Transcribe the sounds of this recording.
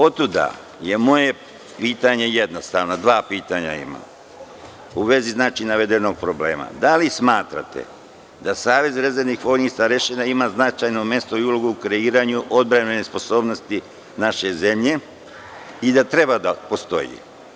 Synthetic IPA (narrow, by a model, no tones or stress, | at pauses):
o̞t̪ːud̪a̰ | je̞mo̞je̞ | piːt̪aɲe̞je̞d̪nost̪a̰ʋnod̪ʋaːpiːt̪aɲa̰ḭma̰ | uʋe̞ziznaːt͡ʃinaʋe̞d̪e̞no̞ɡ̚pɾo̞blḛːma̰d̪alismaːt̪ɾa̰t̪ḛ | d̪asaːʋe̞zɾezenixfo̞ːniːsaɾeʃenaimaznat͡ʃajno̞mje̞st̪oiulo̞ɡuukɾe̞iːɾaɲuʔo̞d̪̚bɾanenespo̞so̞ːbno̞st̪i | naʃe̞ze̞mʎe̞ | id̪at̪ɾe̞bad̪apo̞st̪o̞̰jḭ